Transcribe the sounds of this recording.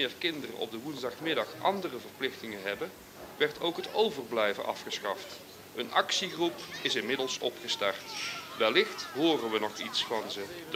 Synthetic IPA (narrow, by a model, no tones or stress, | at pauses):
ɪːɹkɪndərə̰nʔɔ̰b̚dəʋunzdɑχmɪdɑχʔɑ̰ndərəvərplɪxtɪŋənɦɛbə | ʋɛɹtʰowkɦətowvərblɛjvənʔɑ̰fχəsχɑft | ənʔɑksiχrupɪsɪnmɪdəlˠsɔpχəstɑrtʋɛlːɪχtɦoːrənʋənɔχitsfɑnzəd